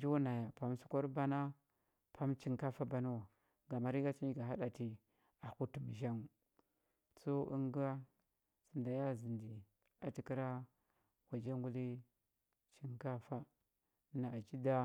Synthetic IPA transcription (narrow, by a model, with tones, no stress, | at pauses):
d͡ʒu˦na˨ja˨pa˨msu˦kʷo˦ɾba˦na˦ | pʰa˦mt͡ʃi˦ŋka˦fa˦ba˨nu˦wa˨ | ɡa˨ma˨ɾi˦ɡa˦t͡ʃi˦ni˦ɡa˨ɦa˦ɗa˨ti˦ | a˨ku˦tu˨m˨ʒa˦ŋ˨ | so˦ḭ˦ŋɡa˦ | si˨nda˨ja˦zi˨ndi˨ | a˨ti˨ki˦ɾa˦ | wa˨d͡ʒa˦ŋɡu˦li˦ | t͡ʃi˦ŋka˦fa˦ | na˨a˨t͡ʃi˦da˦